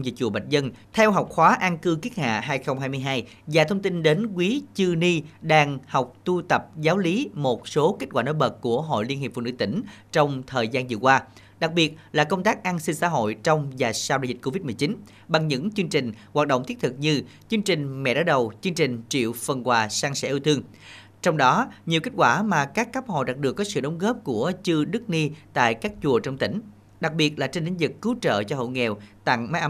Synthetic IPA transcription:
zḭ˧˨t͡ɕṵ˧˨˩ɓə˨˩t̚zə˧nt̪ʰɛ˧wɦa˨˩wk͡p̚xwaː˨˦ʔa˧nkɨ˧ki˦˥t̚ha̰ː˧˨ɦaː˧jxə˧wŋ͡mhaː˧jmɨ˧əjɦaː˧j | zaː˨˩t̪ʰə˧wŋ͡mt̪i˧nɗe˨˦nk̬wi˨˦t͡ɕɨ˧ni˧ɗaː˧ŋha˨˩wk͡p̚t̪u˧t̪ə˨˩p̚zaː˨˦wli˨˦mo˨˩t̚so˨˦ke˦˥kwaː˧˩no˧˨˦jɓə˨˩t̚ku˧˩əɦo̰˧˨jli˧nhi˨˩fṵ˧˨nɨ̰˧˥t̪ï˧˩ŋ̟ | t͡ɕɔ˧wŋ͡mt̪ʰəː˨˩jzaː˧nzɨ̰˧˨əkwaː˧ | ɗa˨˩k̚ɓi˨˩ət̚laː˨˩kə˧wŋ͡mt̪aː˦˥k̚ʔa˧nsi˧nsa̰ː˧˥ɦo̰˧˨jt͡ɕɔ˧wŋ͡mzaː˨˩saː˧wɗaː˧˨zi˨˩t̚ko˧vi˦˥t̚mɨ˨˩ət͡ɕi˨˦n | ɓa˨˩ŋɲɨ̰˧˥ŋt͡ɕɨ˧əŋt͡ɕï˨˩ŋ̟hwaː˨˩t̚ɗə̰˧˨wŋ͡mt̪i˦˥t̚t̪ʰɨ˨˩k̚ɲɨ˧ | t͡ɕɨ˧ŋt͡ɕï˨˩ŋ̟mɛ̰˧˨ɗaː˨˦˥ɗə˨˩wt͡ɕɨ˧ŋt͡ɕï˨˩ŋ̟t͡ɕḭ˧˨əwfə˨˩nkwaː˨˩saː˧ŋsɛ̰˧˥ʔi˧wt̪ɨ˧əŋ | t͡ɕɔ˧wŋ͡mɗɔ˨˦ɲi˨˩əwki˦˥t̚kwaː˧˩maː˨˩kaː˦˥kːa˦˥p̚ho̰˧˨ɗa˨˩t̚ɗɨ˨˩ək̚ːɔ˨˦sɨ̰˧˨ɗə˨˦wŋ͡mɣəː˦˥p̚ku˧˩ət͡ɕɨ˧ɗɨ˦˥k̚ni˧t̪a̰ː˧˨jkaː˦˥k̚t͡ɕu˨˩ət͡ɕɔ˧wŋ͡mt̪ï˧˩ŋ̟ | ɗa˨˩k̚ɓi˨˩ət̚laː˨˩t͡ɕe˧nɗe˨˦nzi˨˩kːɨ˨˦wt͡ɕə̰ː˧˨t͡ɕɔ˧ɦo̰˧˨jŋɛ˨˩wt̪a̰˧˨ŋma˨˦jʔa˧˦

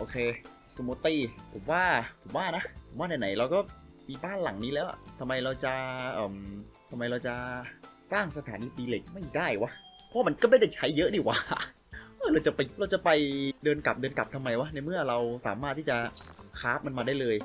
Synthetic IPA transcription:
ʔoː˧˩kʰeː˧ | si˧moː˧t̪iː˥˩pʰo˩˦mwaː˥˩pʰo˩˦mwaː˥˩na˦˥po˩˦waː˥˩na˧˩na˩˦jɾa˧wkɔː˥˩miː˧baː˥˩nla˨˩˦ŋniː˦˥lɛː˦˥wʔa̰˨˩t̪ʰa˧mːa˧jɾa˧wt͡ɕa˨˩ʔɤː˨˩mt̪ʰa˧mːa˧jɾa˧wt͡ɕa˨˩saː˥˩ŋsa˧t̪ʰaː˩˦niː˧t̪iː˧le˨˩k̚ma˥˩jdaː˥˩jwa˦˥pʰɔ˦wma˧nkɔ˥˩ma˥˩jda˥˩t͡ɕʰa˦˥jːɤ˦˥ʔdiː˧˥˩kwa˨˧˦ | ʔɤ˥˩ɾa˧wt͡ɕa˨˩pjɾa˧wt͡ɕa˨˩pa˧jdɤː˧nka˨˩p̚dɤː˧nka̰˨˩p̚t̪ʰmːa˧jwa˦˥na˧jmɯ˥˩ɐɾa˧wsaː˩˦maː˥˩t̪ʰːiː˥˩t͡ɕa˨˩kʰaː˦˥p̚ma˧nmaː˧daː˥˩jlɤː˧j

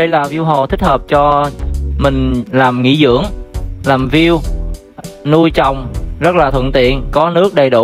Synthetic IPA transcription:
ɗə˧jlaː˨˩vi˧wɦo̰˨t̪ʰi˦˥k̚həː˨˩p̚t͡ɕɔ˧mï˨˩ŋ̟laː˨˩mŋḭ˧˥zɨ̰˧˥əŋlaː˨˩mvi˧əw | nu˧jt͡ɕɔ˨˩wŋ͡mzə˦˥t̚laː˨˩t̪ʰwə̰˧˨nt̪ḭ˧˨ənkɔ˨˦nɨ˦˥ək̚ɗə˨˩jɗu˧˩

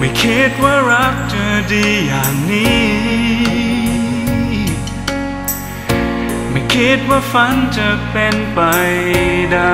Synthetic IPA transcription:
ma˥˩jkʰi˦˥t̪̚waː˧˩ɾa˦˥k̚t͡ɕa˨˩diː˧jaː˨˩ŋniː˦˥ | ma˥˩jkʰi˦˥t̪̚waː˧˩fa˧˥nt͡ɕa˧˩pe˧npa˧jda˧

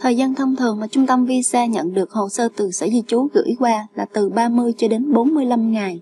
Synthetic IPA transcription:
t̪ʰəː˨˩jzaː˧nt̪ʰə˧wŋ͡mt̪ʰɨ˨˩əŋmaː˨˩t͡ɕʊ˧ŋ͡mt̪ə˧mvi˧sɛː˧ɲə̰˧˨nɗɨ˨˩ək̚ho̰˧˨səː˧t̪ɨ˨˩sə̰ː˧˩zi˧t͡ɕu˨˦ɣɨ̰˧˥jkwaː˧laː˨˩t̪ɨ˨˩ɓaː˧mɨ˧əjt͡ɕɔ˧ɗe˨˦nɓo˨˦nmɨ˧əjla˧mŋa˨˩j

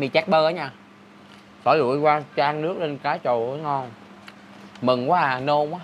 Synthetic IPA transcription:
mi˨˩t͡ɕɛ˦˥k̚ɓəː˧ʔə˨˦ɲaː˧˩ | sɔ̰˧˩˦lṵ˧˩˨əjkwaː˧t͡ɕaː˧ŋnɨ˦˥ək̚le˧nkaː˨˦jt͡ɕo̰˧˨˦ŋɔ˧˩n | mɨ˨˩ŋkwaː˨˦˨no˧kwaː˨˦

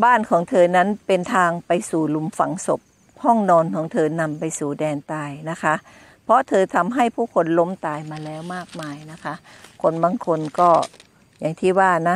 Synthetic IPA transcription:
baː˥˩nkʰɔː˩˦ŋt̪ʰɤː˧na˦˥˨npe˧nt̪ʰaː˧ŋpa˧jsuː˨˩lu˧mfa˨˦ŋso˨˩p̚ | hɔ˥˩ŋnɔː˧nkʰɔː˩˦ŋt̪ʰɤː˧na˧mpa˧jsuː˨˩dɛː˧nt̪aː˧jna˦˥kʰa˦˥ʔ | pʰɔ˧˦˥t̪ʰɤː˧t̪ʰa˧mɦa˥˩jpʰuː˥˩kʰo˧nlo˦˥mt̪aː˧jmaː˧lɛː˦˥wmaː˥˩k̚maː˧jna˦˥kʰa˦˥ʔ | kʰo˧nbaː˧ŋkʰo˧nkɔː˥˩ | ja˨˩ŋt̪ʰiː˥˩waː˧˩na˦˥

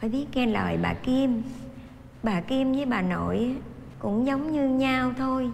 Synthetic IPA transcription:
faː˧˩jɓi˦˥ət̚ŋɛ˧nlə̰ː˨˩˨jɓa̰ː˨˩ki˧əm | ɓaː˨˩ki˧əmzəː˨˦jɓaː˨˩no̰˧˨j | kʊ̰˧˥ŋ͡mzə˨˦wŋ͡mɲɨ˧ɲaː˧wt̪ʰo˧j

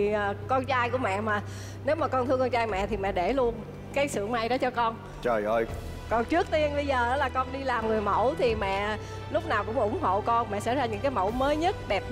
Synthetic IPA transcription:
ʔːkɔ˧nt͡ɕaː˧jku˧˩əmɛ̰˧˨maː˨˩ | ne˨˦wmaː˨˩kɔ˧nt̪ʰɨ˧ŋkɔ˧nt͡ɕaː˧jmɛ̰˧˨t̪ʰi˨˩mɛ̰˧˨ɗe˧˩lu˧ən | kaː˨˦jsɨ̰˧˨əŋma˧˩jɗɔ˨˦t͡ɕɔ˧kɔ˧n | t͡ɕəː˨˩jʔə˧j | kɔ˨˩nt͡ɕɨ˦˥ək̚t̪i˧ənɓə˧jzəː˨˩ʔəː˨˦laː˨˩kɔ˧nɗi˧laː˨˩mŋɨ˨˩əjmə̰˧˩wt̪ʰi˨˩mɛ̰˧˨ | lʊ˦˥k͡p̚naː˨˩wkʊ̰˧˥ŋ͡mʔʊ̰˧˩ŋ͡mɦo̰˧˨kɔ˧nmɛ̰˧˨sa̰˧˥zaː˧ɲɨ̰˧˥ŋkaː˨˦jmə̰˧˩wməː˨˦jɲə˦˥t̚ɗɛ˨˩p̚

